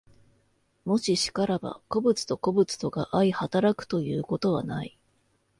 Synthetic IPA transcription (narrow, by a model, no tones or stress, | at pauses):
mo̞ɕiɕi̥kaɾaba̰ko̞bɯ̟t͡sɨ̥t̪o̞ko̞bɯ̟t͡sɨ̥t̪o̞ɡaʔaihat̪aɾakɯ̟̥t̪o̞jɯ̟ːko̞t̪o̞β̞a̰nai